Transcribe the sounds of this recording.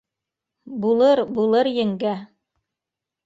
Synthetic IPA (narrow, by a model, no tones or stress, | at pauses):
bulˠɤɾbulˠɤɾjɘ̆ŋɡæ